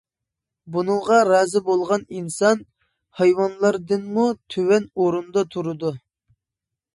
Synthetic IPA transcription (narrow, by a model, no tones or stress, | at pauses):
bunɨŋʁɑɾɑːzɪbolˠʁɑninsɑn | hɑjwɑnlˠɑɾd̪ɨnmut̪ʰøwɛnoɾund̪ɑt̪ʰuɾɨd̪u